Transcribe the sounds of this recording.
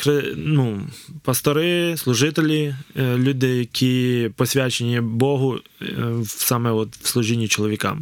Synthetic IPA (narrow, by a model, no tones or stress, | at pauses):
xɾɪnupɐst̪ɔɾɪslˠʊʒɪt̪elʲilʲud̪ɪjɐkʲʰipɔsʲʋʲat͡ʃenʲibɔɦʊ | sɑmɛɔt̪wslˠʊʒinʲːit͡ʃɔlˠɔʋʲikɑ̰m